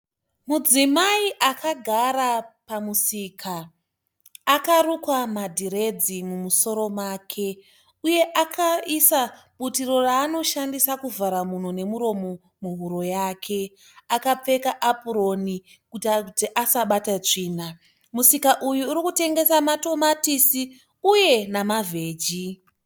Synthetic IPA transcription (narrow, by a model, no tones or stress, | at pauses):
mud͡zimaiʔakʰaɡʱaɾapamusiːkʰa | karukwamadʱiɾe̞d͡zimumuso̞ɾo̞mwaːkʰe̞ | uje̞ʔakʰaisa | ɓutiro̞raːno̞ʃandisakuvʱaɾamun̤one̞muɾo̞mo̞ | muɦuɾo̞jaːkʰe̞ | akap͡fe̞kaʔapuɾo̞ni | kututiʔasaɓatat͡ʂiːna | musikaʔujuːɾikute̞ŋɡe̞samato̞matisi | uje̞namavʱe̞ːd͡ʒi